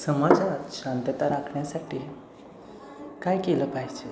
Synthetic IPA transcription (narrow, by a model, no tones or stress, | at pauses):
səməɾd͡zaaɕant̪ət̪aɾakʰɳjasaʈiː | kajkeləpaɦd͡ʑe